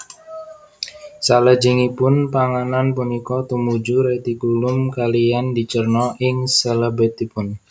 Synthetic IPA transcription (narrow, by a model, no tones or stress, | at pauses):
saləd͡ʒɪŋipʊnpaŋananpunikɔt̪umud͡ʒuɾet̪ikulʊmkalijandit͡ʃərnɔʔɪŋselebɪt̪ipʊn